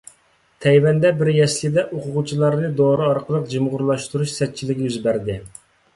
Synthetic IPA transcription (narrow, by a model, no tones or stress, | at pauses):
t̪ʰɛjwɛnd̪ɛbɪɾjɛslʲɪd̪ɛʔoqʰʊʁut͡ʃʰilˠɑɾnɨd̪oɾɨɑɾqʰəlˠəq̚d͡ʒɨmʁʊɾlˠɑʃt̪uɾuʃsɛt̪̚t͡ʃʰilɪkʲjyzbæɾd̪ɪ